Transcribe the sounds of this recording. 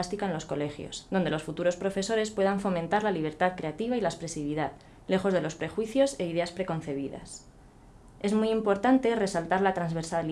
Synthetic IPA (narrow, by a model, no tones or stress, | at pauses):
st̪ikaenlo̞sko̞le̞xjo̞̰sðond̪e̞lo̞sfut̪uɾo̞spɾo̞fe̞so̞ɾe̞spwe̞ðaɱfo̞mẽnt̪aɾlaliβ̞e̞ɾt̪aðkɾe̞at̪iβ̞ailaespɾe̞siβiðað | le̞xo̞zð̞e̞lo̞spɾe̞xwiθjo̞se̞iðe̞aspɾe̞ko̞n̟θe̞β̞iða̰s | e̞zmujimpo̞ɾt̪ant̪e̞re̞salt̪aɾlat̪ɾanzβe̞ɾsal